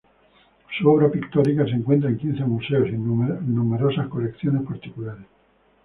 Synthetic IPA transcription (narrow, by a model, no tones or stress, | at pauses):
suɔβɾapikt̪ɔɾikaseŋkwent̪ɾaeŋkinθemuseosinnːumeɾosaskolekθjonespaɾt̪ikulaɾes